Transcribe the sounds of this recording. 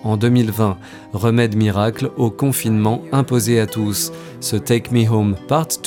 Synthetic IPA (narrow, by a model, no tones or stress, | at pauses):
ɑ̃d̪əmilvɛ̃ | ʁəmɛd̪miʁaklokɔ̃finmɑ̃ɛ̃pozeat̪usː | ət̪ekmiɦompaʁt̪ː